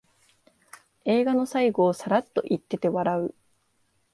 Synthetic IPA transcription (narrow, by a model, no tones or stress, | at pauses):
e̞ːɡano̞saiɡo̞ːsaɾat̪ːo̞̰ʔit̪ːe̞t̪e̞βaɾaɯ̟